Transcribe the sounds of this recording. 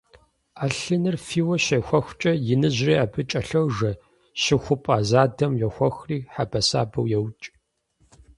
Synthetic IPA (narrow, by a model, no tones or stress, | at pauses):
aːɬɨnɨrfiːwɐɕɐxʷɔxʷt͡ʃʼɐjɪnɨʑriːaːbɨt͡ʃʼɐɬɐwʐɐ | ɕɪxʷʊpʼaːzaːdɐmjɛxʷɔxriːħabɐsa̰ːbɐwjɛwt͡ʃʼ